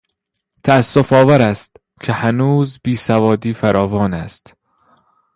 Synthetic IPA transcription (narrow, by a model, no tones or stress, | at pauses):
t̪ʰæːsːofɒːvæɾæst̪ | cʰehænuːzbiːsævɒːd̪iːfæɾʔɒːvɒːnæst̪